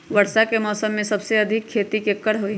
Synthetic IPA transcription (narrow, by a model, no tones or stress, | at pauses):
ʋɐɾʃakemɔːsəmːẽsɐbseɐd̪ʱɪkʰːeːt̪ikekːəɾɦoi